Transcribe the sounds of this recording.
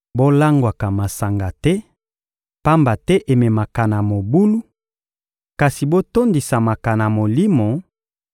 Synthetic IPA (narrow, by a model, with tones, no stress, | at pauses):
bo˦la˦ŋɡwa˨ka˨ma˨sa˨ŋɡa˨tɛ˦ | pa˦mba˨tɛ˦ʔe˨me˨ma˨ka˨na˨mo˨bu˦lu˦ | ka˨si˨bo˦to˦ndi˨sa˨ma˨ka˨na˨mo˨li˦mo˨